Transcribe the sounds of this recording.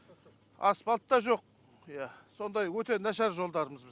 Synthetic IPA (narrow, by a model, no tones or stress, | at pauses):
ɑ̰spɑlˠt̪ːɑʒo̞q̚ | ijæso̞nd̪ɑjwɵt̪e̞næʃæɾʒo̞lˠd̪ɑɾəməzbɪ